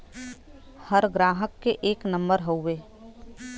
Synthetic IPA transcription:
həɾɡɾaːɦəkːeʔeːknə̃mbəɾɦoʋeː

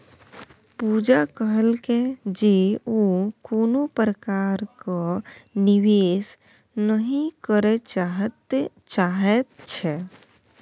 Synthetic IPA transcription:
pud͡ʒakəɦəlked͡ʒeokonopɾəkaɾkaniʋes | nəɦĩkəɾet͡ʃaɦət̪ | t͡ʃaɦɛt̪t͡ʃʰɛ

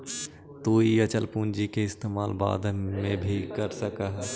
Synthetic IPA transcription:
t̪uːiət͡ʃəlpuːnd͡ʒikeɪst̪eːmaːlba̰ːd̪ʱmẽbʱikəɾsəkəɦ

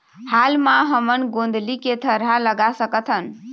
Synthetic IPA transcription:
halmaɦəmənɡond̪ʱliket̪ʰəɾɦaləɡasəkət̪ʰən

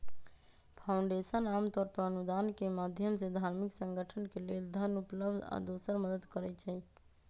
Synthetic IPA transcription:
pʰauɳɖesənamt̪ɔɾpəɾənud̪ankemad̪ʱjəmsed̪ʱaɾmiksəŋɡəʈʰənkeleld̪ʱənupləbd̪ʱa̰d̪osəɾməd̪əd̪kəɾɛt͡ʃʰɛ

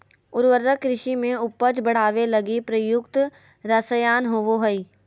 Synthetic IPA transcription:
ʊɾʋəɾəkːɾɪʃimẽʊpːəd͡ʒbəɽ̤aːʋelɐɡipɾəjʊkt̪ | ɾɐsəjaːnɦoʋoɦəiː

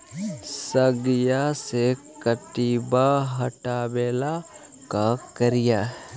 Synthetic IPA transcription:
səɡjasekɐʈibaɦɐʈaːbeːla | kakɐɾijaː

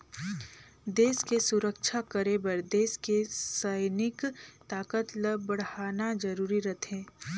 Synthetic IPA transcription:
d̪eːskesʊɾəkʃʰakəɾebəɾd̪eːskesəɪnɪkt̪aːkət̪ləbəɽ̤aːnad͡ʒɐɾuːɾiɾɐt̪ʰẽː

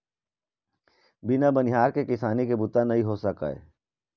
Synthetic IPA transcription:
bɪnabɐnɪɦaːɾkekɪsaːnikebʊt̪anɐɦĩɦosɐka̰ːḛː

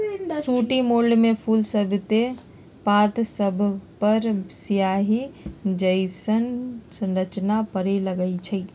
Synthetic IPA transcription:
suʈimoɭɖmẽpʰulsəbʱt̪e | pat̪səbʱpəɾsijaɦid͡ʒəɪsənsə̃nɾət͡ʃnapəɾeləɡəɪt͡ʃʰəi

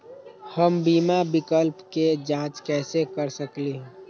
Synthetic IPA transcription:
həmbiːmabɪkəlpked͡ʒãːt͡ʃkɛːsekəɾsəkleː

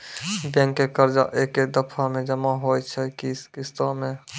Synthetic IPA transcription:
bɛ̃ːŋkːekəɾd͡ʒa̰ʔeːked̪əpʰamẽd͡ʒəmaɦoːt͡ʃʰɛkiskɪst̪amẽ

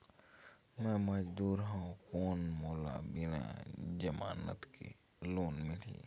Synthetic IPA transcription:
mɛ̃mɐd͡ʒd̪uːɾɦãkoːnmoːla̰bɪnã̰d͡ʒəmaːnə̰t̪kḛ | loːnmɪlḭː

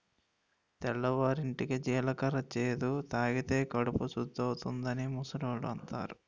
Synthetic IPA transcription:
t̪ɛɭːɐʋaːɾiɳʈikid͡ʒiːlɐkɐɾɐt͡ʃeːd̪ut̪aːɡit̪e̞ːkɐɽupusud̪ːɐwut̪und̪ɐnimusɐɾɐːluɐnt̪a̰ːɾu

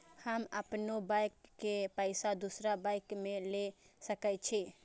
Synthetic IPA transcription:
həməpnobaɪkːepəɪsad̪usɾabaɪkmẽlesəkət͡ʃʰi

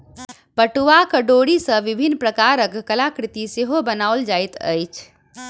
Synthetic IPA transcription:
pəʈuʋakəɖoɽisə̃ʋibʱinːpɾəkaɾəkːəlakɾɪt̪iseɦobənaold͡ʒajt̪ə̰jt͡ʃʰ

